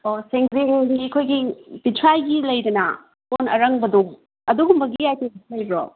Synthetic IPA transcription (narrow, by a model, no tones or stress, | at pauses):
oseŋzieŋɡikʰojɡibitʰɾajɡilɐjdɐnɐ | ponɐ̰ɾɐŋbɐdu | ɐduɡumbɐɡijajtelɐjbɾo̰